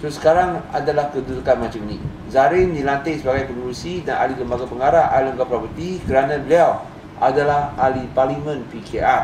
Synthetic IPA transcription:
sʊsə̥kaɾaŋa̰dalahkədulkanmãt͡ʃamnĩ | zaɾɪndilant̪ɪʔsəbaɡajpəŋulusidana̰liləmbaɡapəŋaɾaʔaləmɡapɾɔpət̪ikəɾanãbəliaw | ʔadalahaliparlimə̃npikea

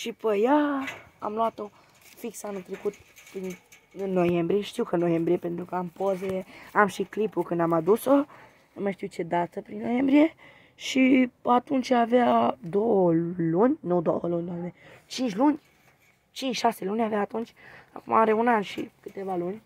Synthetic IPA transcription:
ʃipəjaa̰mluat̪o | fiksanɨnt̪ɾekut̪̚pɾinɨnːojembɾieʃt̪iwkənojembɾiepent̪ɾukəampozeamʃiklipukɨnd̪amad̪uso | məʃt̪iwt͡ʃed̪at̪əpɾinːojembɾije | ʃipat̪unt͡ʃavad̪owəlunʲnud̪o̰wəlunʲd̪amet͡ʃint͡ʃlunʲ | t͡ʃint͡ʃʃaselunʲaveaːt̪unt͡ʃa̰kuma̰ɾeunanʃḭkɨt̪evalunʲ

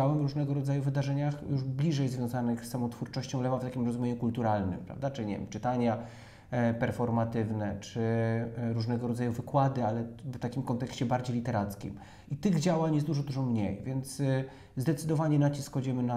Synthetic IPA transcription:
awɛmvɾuʐnɛɡɔɾɔd̪zajuvɘd̪aʐɛɲaxjuʐblʲiʐɛjzvʲjɔ̃w̃zanɘxsːamɔt̪fuɾt͡ʂɔɕt͡ɕɔ̃w̃lɛvaft̪akʲimɾɔzumʲeɲukult̪uɾalnɘ̰mpɾa̰vd̪at͡ʂɘɲɛv̰ʲmt͡ʂɘt̪aɲa | pɛɾfɔɾmat̪ɘvnɛt͡ʂɘɾuʐnɛɡɔɾɔd̪zajuvɘkwad̪ɘalɛft̪akʲimkɔnt̪ɛkɕt͡ɕɛbaɾd͡ʑejlʲit̪ɛɾat̪skʲḭm | it̪ɘɣd͡ʑawaɲjɛsd̪uʐɔd̪uʐɔmɲḛjvʲjɛnt̪s | zd̪ɛt̪sɘd̪ɔvaɲɛnat͡ɕiskxɔd͡ʑɛmɘna

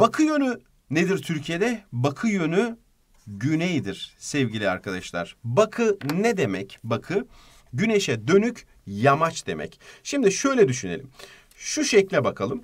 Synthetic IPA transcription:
b̥akʰɯjø̞ny | ned̪iɾt̪ʰyɾcʰijed̪ɛbakʰɯjø̞ny | ɟynejd̪iɾ̥sɛvɟilʲia̰ɾkʰad̪aʃlˠa̰ɾ̥bakʰɯnɛd̪emɛcbakʰɯ | ɟyneʃɛd̪ø̞nyc | jamat͡ʃd̪̥e̞̰mʔɛ̰cʃimd̪iʃø̞jlʲɛd̪yʃynelʲḭm | ʃuʃɛclʲɛbakʰalˠɯm

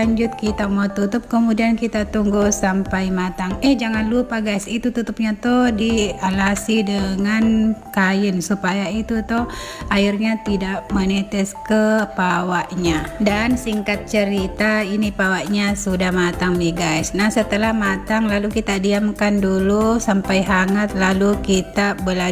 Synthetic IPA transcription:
aɲd͡ʒʊt̪̚kit̪amawt̪ut̪ʊp̚kəmudiankit̪at̪uŋɡusampajmat̪aŋɛhd͡ʒaŋanlupaɡajsit̪ut̪ut̪up̚ɲat̪ɔhdialasidəŋankajɪnsupajait̪ut̪ɔh | aɪrɲat̪idaʔmənɛt̪ɪskəpawaʔɲadansiŋkat̪̚t͡ʃəɾit̪ainipawaʔɲasudahmat̪aŋmiɡajsnahsət̪əlahmat̪aŋlalukit̪adiamkandulusampajɦaŋat̪̚lalukit̪abəla

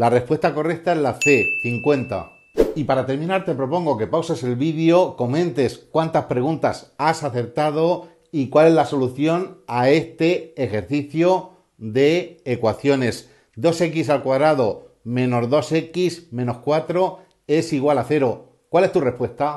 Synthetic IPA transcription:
lare̞hpwe̞st̪ako̞re̞k̚t̪ae̞zlaθe̞θiŋkwe̞nt̪a̰ | ipaɾat̪e̞ɾmĩnaɾt̪e̞pɾo̞po̞ŋɡo̞ke̞pawse̞se̞lβiðjo̞ko̞mẽ̞nt̪e̞skwant̪aspɾe̞ɣ̞unt̪asasaθe̞ɾt̪að̞o̞ | ikwale̞zlaso̞luθjo̞nae̞st̪e̞ːxe̞ɾθiθjo | d̪e̞ːkwaθjo̞ne̞s | d̪o̞se̞kis̬alkwaðɾaðo̞mẽ̞no̞zðo̞se̞kismẽ̞no̞skwat̪ɾo̞ | e̞siɣ̞walaθe̞ɾo̞ | kwale̞st̪ure̞hpwe̞st̪a

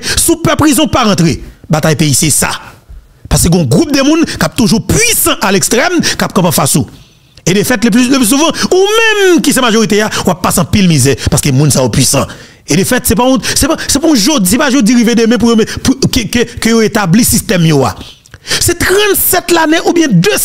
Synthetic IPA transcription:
supɛpʁizɔ̃paʁɐ̃t̪ʁebat̪ajpeisesa̰ | paskeɡɔ̃ɡʁup̚d̪əmũnkap̚t̪uʒupɥisɑ̃ʔalekst̪ʁɛmkap̚kãpãfasu | edəfɛt̪ləp̬lyləplys̬uvɑ̃umɛ̃mkis̬ɛmaʒoʁit̪̬eawapːasɐ̃pilmizɛpaskemũnsajopɥisɑ̰̃ | edefɛt̪sɛpaɔ̃sɛpasɛpũʒod͡zsiepaʒod͡ziɣivedemɛ̃p̬ujomɛ̃pukkkøjoet̪ablisist̪ɛmjoa̰ | sɛt̪ʁɐ̃t̪sɛt̪laneʔubjɛ̃d̪ø

